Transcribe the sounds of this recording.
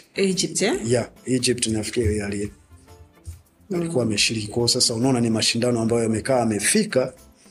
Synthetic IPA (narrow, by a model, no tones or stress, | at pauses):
id͡ʒiptjaid͡ʒip̚tiniafi̥kijaliɛ | alikuaːmɛʃiɾikikwaɔsasahunaɔnanimaʃindanɔambajɔjamɛkaːmɛfika